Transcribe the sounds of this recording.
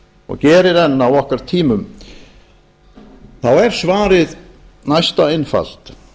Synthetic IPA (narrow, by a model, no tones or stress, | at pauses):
ɔ̰ɣcɛːɾɪɾɛnːaːwɔhkaɾ̥t̪ʰiːmʏm | θawɛɾ̥svaːɾɪð | najst̪aɪnfa̰l̥t̪